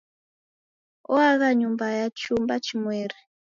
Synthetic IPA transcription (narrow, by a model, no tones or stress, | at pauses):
ɔaɣaɲumbajat͡ʃumbat͡ʃimwɛːɾi